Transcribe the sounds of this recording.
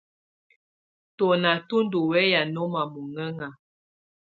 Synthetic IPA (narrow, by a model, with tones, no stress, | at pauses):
tɔ˨na˨tu˦ndu˨wɛ˦ja˨nɔ˦ma˨mu˨ŋɛ˦ŋa˨